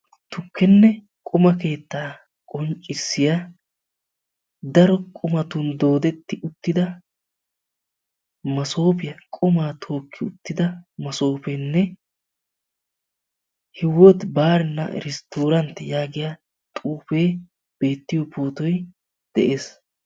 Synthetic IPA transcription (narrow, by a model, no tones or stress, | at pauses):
t̪ʊkːɛnːɛ | kʼʊmɐke̞ːt̪ːaː | kʼɔnt͡ʃʼːɪsːɪja | d̪ɐɾɔkʼʊmɐt̪ʊnd̪o̞ːd̪ɛt̪ːɪʊt̪ːɪd̪ɐ | mɐso̞ːpɪjɐkʼʊmaːt̪ʰo̞ːkʰːɪʊt̪ːɪd̪ɐmɐso̞ːpɛnːɛ | hɪwɔt̪baːɾɛnːɐ̰ɾɛst̪oːɾɐnt̪ːɛjaːɡɪja | t̪ʼuːfe̞ː | b̥e̞ːt̪ːɪjɔpoːt̪ɔj | d̪̥ɛ̰ʔeːs